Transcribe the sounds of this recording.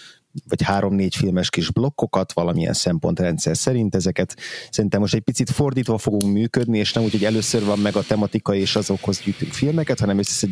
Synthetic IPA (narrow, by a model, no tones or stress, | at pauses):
vɒchaːɾo̞mneːcfilmɛʃkiʒblo̞kːo̞kɒt̪ʋɒlɒmiɛ̰nsɛmpo̞nt̪rɛnt̪sɛrsɛɾint̪ɛzɛkɛt̪sɛɾint̪ɛmːoʃt̪ɛc̚pit̪sit̪fo̞rd̪iːt̪ʋɒfo̞ɡuŋkmyːkød̪nieːʃnɛmuːchoɟɛløːsørvɒmːɛɡɒt̪ɛmɒt̪ikɒieːʃɒzo̞kho̞zɟyːt̪yŋkfilmɛkɛt̪hɒnɛmøsɛ̥sɛ